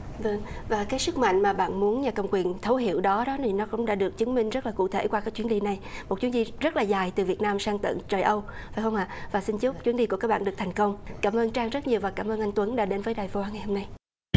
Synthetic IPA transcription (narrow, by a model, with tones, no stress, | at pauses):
və˧ŋvaː˨˩kaː˨˦jsɨ˦˥k̚ma̰˧˨jŋ̟maː˨˩ɓa̰ː˧˨nmu˨˦ənɲaː˨˩kə˨˩wŋ͡mkwi˨˩ənt̪ʰə˨˦wɦḭ˧˨əwɗɔ˨˦ɗɔ˨˦t̪ʰi˨˩nɔ˨˦kʊ̰˧˥˨ŋ͡mɗa̰ː˧˥ɗɨ˨˩ək̚t͡ɕɨ˨˦ŋmï˧ŋ̟zə˦˥laː˨˩kṵ˧˨t̪ʰe˧˩kwaː˧kaː˨˦˥kt͡ɕwi˨˦nɗi˧na˨˩jmo˨˩t̚t͡ɕi˨˦n˥zi˧zə˦˥t̚laː˨˩zaː˨˩jt̪ɨ˨˩vi˨˩ət̚naː˧msaː˧ŋt̪ə̰˧˨ŋt͡ɕəː˨˩jʔə˧wfaː˧˩jxə˧wŋ͡mha̰ː˧˨vaː˨˩sï˧nt͡ɕu˦˥p̚t͡ɕwi˨˦ənzi˧ku˧˩kaː˦˥k̚ɓ̰ːnɗk̚t̪ʰa˨˩ŋ̟kə˧wŋ͡mkaː˧˩mʔəː˧nt͡ɕaː˧ŋzə˦˥t̚ɲi˨˩əwvaː˨˩kaː˧˩mʔəː˧nʔa˧jŋ̟t̪wə˨˦nɗaː˧˥ɗe˨˦nvəː˨˦jɗaː˨˩jvo˧ʔaː˧ŋa˨˩ho˧mna˧j